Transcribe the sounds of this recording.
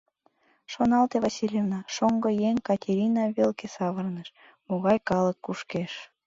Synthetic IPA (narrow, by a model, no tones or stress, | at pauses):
ʃonɑlt̪eβɑsʲilʲjevnɑʃoŋɡojeŋkɑtʲeɾʲinɑβelkesɑβərnəʃ | moɣɑjkɑləkːuʃkeʃ